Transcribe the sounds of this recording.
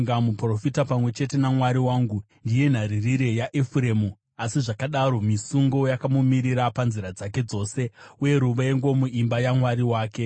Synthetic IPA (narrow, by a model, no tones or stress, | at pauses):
ŋɡamupro̞fitapamwe̞t͡ʃe̞te̞namwaɾiwaːŋɡu | ndije̞n̤aɾiriɾe̞jaʔefuɾe̞ːmu | asiʐakaɗaɾo̞misuŋɡo̞jakamumiɾiɾapanziɾad͡zake̞d͡zo̞ːse̞uje̞ɾuʋaeŋɡo̞muimbajamwaɾiwaːke̞